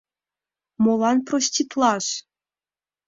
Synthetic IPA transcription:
molˠɑnprosʲtʲit̪lˠɑʂ

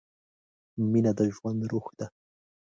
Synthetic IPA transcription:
mɪnad̪aʒwand̪ɾʊχt̪a

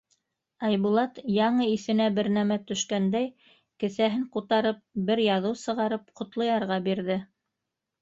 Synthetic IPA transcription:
ɑjβulˠɑt̪jɑɴɤiθɘ̆næbɘɾnæmæt̪ɵ̆ʃkænd̪æj | kɘ̆θæɦɘɴqut̪ɑɾɤp̚bɘɾjɑðɤwsɤ̆ʁɑɾɤp̚qŏt̪lˠɤ̆jɑɾʁɑbiɾðɘ

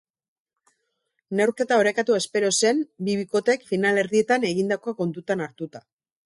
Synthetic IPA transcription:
ne̞wɾke̞t̪ao̞ɾekat̪uespe̞ɾo̞se̞mbiβ̞iko̞t̪e̞kfinale̞ɾðie̞t̪ane̞ɣind̪ako̞ako̞nt̪ut̪anaɾt̪ut̪a

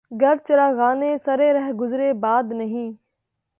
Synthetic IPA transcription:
ɡəɾt͡ʃəɾaːɣaːneːsəɾeːɾəɦɡʊzɾeːbaːd̪nəɦĩː

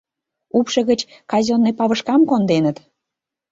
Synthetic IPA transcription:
upʃɤ̆ɣət͡ɕ | kɑzʲonːepɑβə̆ʃkɑmkond̪enət̪

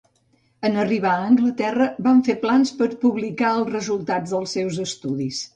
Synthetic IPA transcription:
ənəriβ̞aəːŋɡlət̪ɛrəbaɱfeplanspəɾpuβlikaəlˠzrəzulˠt̪ad͡zðəlˠsːɛwzəst̪uðis

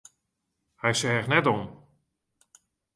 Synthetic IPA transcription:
hɛjsɛːxnɛton

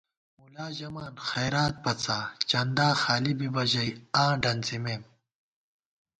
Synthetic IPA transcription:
mulaːʑɐmaːnxɐjɾaːt̪̚pɐt͡saːt͡ɕɐnd̪aːxaːlibibɐʑɐjãːɖɐnt͡simeːm

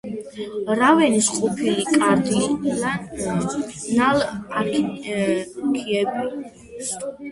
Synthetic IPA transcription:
ɾavɛnisqʼɔpʰilikʼaɾd̪i | nala | kʰiɛbi

